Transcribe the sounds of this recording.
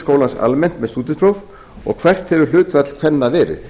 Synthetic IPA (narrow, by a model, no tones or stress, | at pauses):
skoːwlansa̰lmɛn̥t̪mɛðst̪uːt̪ɪpʰɾowv | ɔ̰ɣkʰvɛr̥t̪hɛvʏɾlʏːt̪fat̪l̥kʰvɛnːavɛːɾɪ̰θ